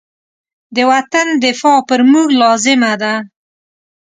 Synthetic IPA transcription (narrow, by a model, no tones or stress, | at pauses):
d̪əwat̪and̪ɪfɑpəɾmuɡlɑzɪmad̪a